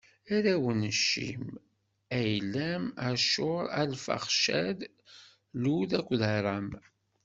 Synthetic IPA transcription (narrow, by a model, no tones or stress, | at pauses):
æɾæwənəʃːḭm | æjlæmæɾʃʊɾˤælfə̰χʃæð | luðækʷːðəɾˤɑm